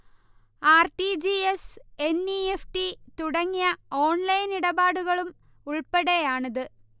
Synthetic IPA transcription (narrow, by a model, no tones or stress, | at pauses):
aːrʈid͡ʑiesenːiefʈit̪uɽɐŋːijɐo̞ːɳlɐjniɽɐbaːɽuɣɐɭum | uɭpeɽejaːɳɐðɨ